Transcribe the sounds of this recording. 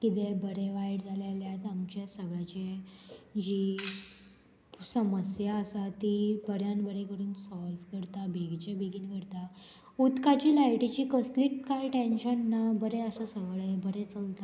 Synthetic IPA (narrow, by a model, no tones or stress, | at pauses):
kit̪ebəɾeʋajɽd͡zʱaljaljat̪amt͡ɕasəɡɭat͡ɕe | d͡ʑi | səməsjaəsat̪ibəɾjanbəɾekəɾuːnsɔlfkəɽt̪abʱeɡt͡ɕebeɡiːnkəɽt̪a | ut̪kat͡ɕiːlajʈit͡ɕiːkəsliːʈkajʈenɕənːabəɾeəsəsəʋɭebəɾet͡səlt̪a